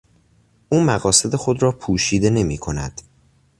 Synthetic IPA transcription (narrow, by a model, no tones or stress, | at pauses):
ʔuːmæɣɒːse̞d̪e̞xo̞d̪ɾɒːpʰuːʃiːd̪e̞ne̞miːkʰo̞næ̰d̪̥